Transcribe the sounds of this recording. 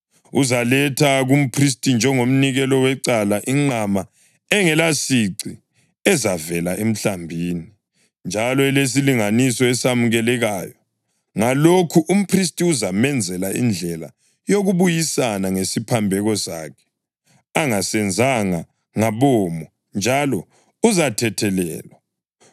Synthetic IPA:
uzalɛtʰaɣum̩pʰris̬tʼind͡ʒʱɛŋom̩niɣɛlɔwɛǀalaʔiŋ͡ǀama | ɛŋɛlasiǀi | ɛzavɛlaʔem̩ɬambʱiːni | nd͡ʒʱalɔɛles̬iliŋanisɔɛsamuɣɛlɛɣaːjɔ | ŋalokʰuʔum̩pʰris̬tʼiuzamɛnd͡zʱɛlaʔḭnd͡ɮʱɛla̰ | joɣuβujisanaŋesipʰambʱɛɣɔsa̰ːkʰɛ̥ | aŋasɛnd͡zʱaŋa | ŋaβɔːmɔ | nd͡ʒʱalɔ | uzatʰɛtʰɛlɛ̰ːlwa

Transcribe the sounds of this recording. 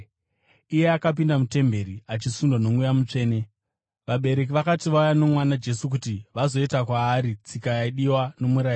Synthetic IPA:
ije̞akap̬indamute̞mbe̞ɾiat͡ʃisundwano̞mujamut͡ʂe̞ːne̞ | ʋaɓe̞ɾe̞k̬iʋakatiʋaujano̞mwanad͡ʒe̞sukutiʋazo̞itakwaːɾit͡sikajaiɗiwano̞muɾai

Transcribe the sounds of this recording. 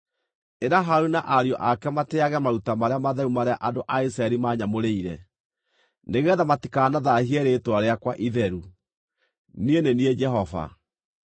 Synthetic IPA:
eɾaɦaɾunaʔaɾiɔʔakɛmateaɣɛmaɾutamaɾeamaðɛɾumaɾeaʔadoʔais̬ɾaɛɾimaɲamoɾeiɾɛ | neɣɛðamatikanaðahiɛɾetwaɾeakwaʔiðɛɾu | nienenied͡ʒɛɦɔva̰

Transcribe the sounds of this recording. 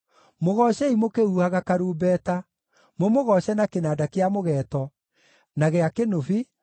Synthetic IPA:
moɣɔɕɛimokeuhaɣakaɾuːbɛta | momoɣɔɕɛnakenaːdakeamoɣɛːtɔ | naɣeakenofi

